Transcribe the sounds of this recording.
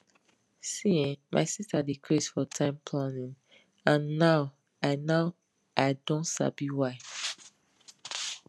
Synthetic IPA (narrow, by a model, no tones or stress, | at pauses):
siẽmʔa̰ɪsistadikʰɹisfɔtʰãɪ̃mpʰlãnĩŋ | ãnːaʊ | aɪnaʊ | aɪdɔ̃ntsa̰biwaɪ